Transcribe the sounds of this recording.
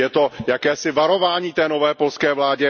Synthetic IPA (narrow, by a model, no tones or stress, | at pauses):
jɛt̪o̞jakɛːsɪvaɾo̞vaːɲiːt̪ɛːno̞vɛːpo̞lskɛːvlaːɟɛ